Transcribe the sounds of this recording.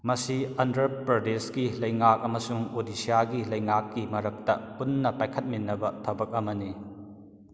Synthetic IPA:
mɐsiɐndɾɾɐpɾɐdeskilɐjŋak̚ɐmɐsuŋodisijaɡilɐjŋakːimɐɾɐk̚tɐpunːɐpajkʰɐt̚minːɐbɐtʰɐbɐk̚ɐmɐni

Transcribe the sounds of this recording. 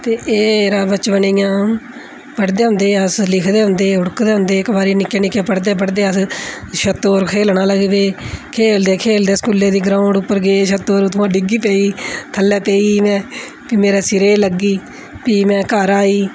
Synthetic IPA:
t̪eːʔeːɾaːbət͡ʃbəniːjãː | pəɽd̪eːɦʊ̃nd̪eːəslɪkʰd̪eːɦʊ̃nd̪eːʊɽkd̪eːɦʊ̃nd̪eːkbaːɾiːnɪkːeːnɪkːeːpəɽd̪eːpəɽd̪eːəs | ʃət̪ːoːɾkʰeːlnãːləɡebeːkʰeːld̪eːkʰeːld̪eːskuːleːd̪iːɡɾãːʊ̃ɳɖʊpːəɾɡeːʃət̪ːoːɾt̪ʰʊãːɖɪɡiːpeːiːt̪ʰəlːɛːpeːiːmɛ̃ː | piːmeːɾeːsɪɾeːləɡːiː | piːmɛ̃ːkəɾaːiː

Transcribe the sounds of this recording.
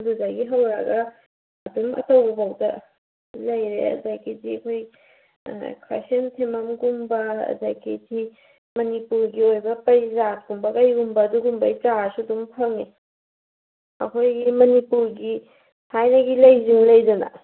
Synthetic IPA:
duzaɡiɦɐwɾaɡɐ | ɐtumɐ̰tɐwbɐbawdɐ̰ | lɐjɾḛɐ̰dajkitiɐkʰoj | kʰɾa̰sentʰemɐmɡumbɐɐ̰da̰jkiti | mɐnipuɾɡiojbɐpɐzat̚ɡumbɐkɐjɡumbɐːduɡumbɐjt͡ʃasudumpʰɐŋi | ɐ̰kʰojɡimɐnipuɾɡi | hʰajnɐɡilɐjziŋlɐjdɐnɐ̰

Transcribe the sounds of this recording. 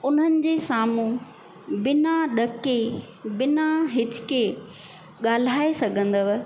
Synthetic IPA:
ʊn̤ənɪ̆d͡ʑeːsaːmũ | bɪnaɗɐke | bɪnaɦɪt͡ɕkeː | ɠaːl̤aːesɐɡʱə̃nd̪əʋ

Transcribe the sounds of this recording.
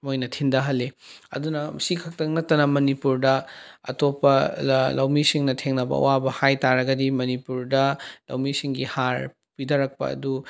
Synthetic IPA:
mojnɐtʰindɐɦɐlːeɐ̰dunɐmɐsikʰɐk̚tɐŋnɐtːɐnɐmɐnipuɾdɐɐ̰topːɐlawmisiŋnɐtʰeŋnɐbɐ̰ɐ̰wabɐhajtaɾɐɡɐdimɐnipuɾdɐla̰wmisiŋɡihaɾ | pidɐɾɐk̚pɐ̰ɐ̰du

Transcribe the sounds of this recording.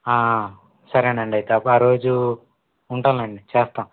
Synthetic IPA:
aː | sɐɾɐnɐɳɖɐjt̪ɐpːaːɾo̞ːd͡ʒu | uɳʈaːlɐɳɖit͡ʃɛːst̪aːm

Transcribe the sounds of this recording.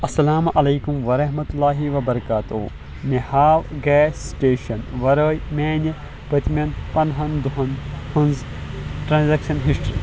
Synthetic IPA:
ɐsːɐlaːmʔɐlɐːkumʋɐɾɐɦmɐt̪ulːaːɦiʋɐbɐɾɐkaːt̪ṵ | mehaːʋɡɛːsːʈeːʃɐnʋɐɾəːjmeːnɐ | pɐt̪ʲmʲɐnpɐnɦɐnd̪uɦɐnhɐnz | ʈɾaːnzaːkʃɐnɦisʈɾḭ

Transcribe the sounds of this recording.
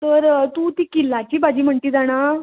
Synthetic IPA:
t̪əɾt̪ũːt̪iːkilːat͡ɕiːbad͡ʑiːm̤əɳt̪iːd͡zaɽ̃a

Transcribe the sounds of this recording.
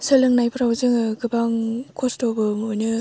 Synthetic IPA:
sɯlɯŋnajpʰɯɾawzɯŋɯɡɯbaŋkʰostobɯmojnɯ

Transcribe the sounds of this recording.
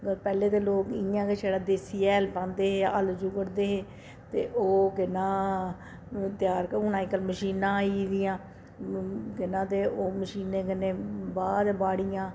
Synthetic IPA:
pɛːleːt̪eːloːkɪãːkeːt͡ʃʰeːɽaːd̪eːsiːɛːlpãːnd̪eːɦeːə̰ld͡ʒuːkəɾd̪eːɦeː | t̪ḛːʔoːkɪnãː | t̪ɪjaːɾkəʊnãːɪkəlməʃiːnãːiːd̪ɪjãː | kɪnãːt̪eːʔoːməʃiːnẽːkɪneːbaːd̪baːɽɪjãː

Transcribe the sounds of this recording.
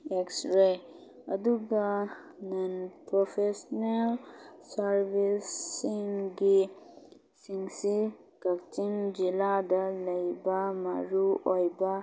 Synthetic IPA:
eksɾe | əd̪uɡa | nɐnpɾofesnelsəɾʋisiŋɡi | siŋɡsi | kɐkt͡ʃind͡ʒilad̪ələjbamaɾuojba

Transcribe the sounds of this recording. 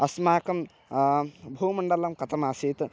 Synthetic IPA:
ɐsmaːkɐm | bʱuːmɐɳɖɐlɐmkɐt̪ʰɐmaːsiːt̪

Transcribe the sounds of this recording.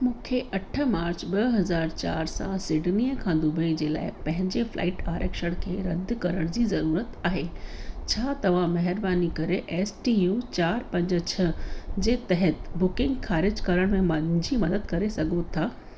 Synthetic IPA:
mũːkʰeʔɐʈʰə̆maːɾt͡ɕɓɐɦɐzaːɾt͡ɕa̰ːɾsã̰sɪɖnijəkʰãːd̪ʊbəid͡ʑeːla̰ːɪpɐ̃ɦɪ̃ɲd͡ʑefla̰ːɪʈaːɾəkʃəɽ̃kʰeːɾɐd̪ʱkɐɾəɽ̃d͡ʑiːzɐɾuːɾət̪aːɦeːt͡ɕʰaːt̪ɐʋ̤ãmɐɦɪɾbaːnikɐɾeʔɛːsʈijuːt͡ɕaːɾpɐ̃ɲd͡ʑt͡ɕʰɐd͡ʑeːt̪ɐɦət̪bʊkɪ̃ŋɡxaːɾɪd͡ʑkɐɾəɽ̃mẽmɐd͡ʑimɐd̪əd̪kɐɾesɐɡʱot̪ʰaː

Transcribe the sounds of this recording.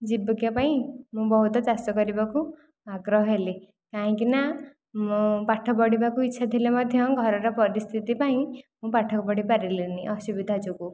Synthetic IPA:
d͡ʒibɔkjapaĩmũbɔɦut̪ɔd͡ʒast̪ɔkɔɾibaku | aɡɾɔɦɔɦeli | kaɦĩkina | mũpaʈʰɔbɔɽibakuitːʃʰad̪ʱilemɔd̪ʱjɔɡʱɔɾɔɾɔpɔɾist̪ʰit̪ipaĩmũpaʈʰɔkɔbɔɽipaɾiliniʔɔsubid̪ʱad͡ʒuku

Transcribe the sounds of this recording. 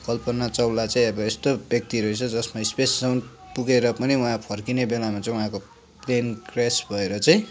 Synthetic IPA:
kʌlpʌnat͡sʌwlat͡sʌĩʌbʌest̪objʌk̚t̪iɾʌit͡sʰʌd͡zʌsmaispessawn | puɡeɾʌpʌniuɦãpʰʌrkinebelamat͡sʌĩuɦãko | plenkresbʱʌeɾʌt͡sʌĩ

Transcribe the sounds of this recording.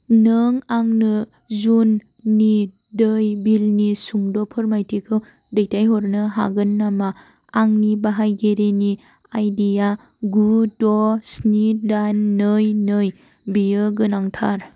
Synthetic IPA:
nɯŋaŋnɯ | zunː | i | dɯjbilnisuŋdɔpʰɯɾmajtʰikʰɯw | dɯjtajɦɔɾnɯɦa̰ɡɯnːama | aŋnibaɦajɡeɾeni | ajdija | ɡudɔsnidanːɯjnɯj | bijɯɡɯnaŋtʰa̰ɾ

